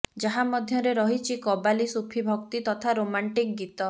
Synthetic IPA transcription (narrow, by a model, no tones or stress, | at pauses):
d͡ʒaɦamɔd̪ʱjɔɾeɾɔɦit͡ʃʰikɔbalisupʰibʱɔkt̪it̪ɔt̪ʰaɾomaɳʈik̚ɡit̪ɔ